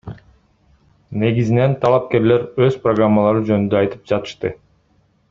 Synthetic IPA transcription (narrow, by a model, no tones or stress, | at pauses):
ne̞ɡizine̞nt̪ʰɑlˠɑp̚ke̞ɾle̞ɾøz̥proɡramːalˠɑɾɯd͡ʒønynd̪øɑjt̪ɯ̥p̚d͡ʒɑt̪ɯ̥ʃt̪ɯ